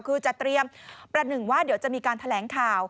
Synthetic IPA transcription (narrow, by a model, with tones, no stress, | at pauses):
kʰɯː˧t͡ɕa˨˩t̪ɾi˧əmpɾa˧nɯ˨˩ŋwaː˥˩diː˩˦əwt͡ɕa˨˩ʔmiː˧kaː˧nt̪ʰa˧lɛː˩˦˥ŋkʰaː˨˩w